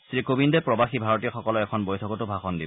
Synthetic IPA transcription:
sɹikobindɛpɹɔbaxibʱaɹɔtijɔxɔkɔlɔɛkʰɔnbojtʰɔkɔtʊbʱaxɔndibɔ

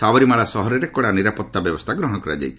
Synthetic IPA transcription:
saʋɔɾimaɭasɔɦɔɾɔɾekɔɽaniɾapɔt̪ːabjɔbɔst̪ʰaɡɾɔɦɔɽ̃ɔkɔɾa̰d͡ʒa̰jt̪ʰ

